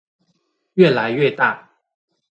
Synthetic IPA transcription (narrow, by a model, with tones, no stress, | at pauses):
ɥɛ˥˩la˧˦ɪɥɛ˥˧t̪a˥˩